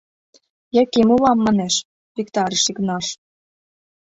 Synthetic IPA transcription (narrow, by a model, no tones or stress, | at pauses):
jĕkimulɑmːɑneʃ | pikt̪ɑɾiʃiknɑʃ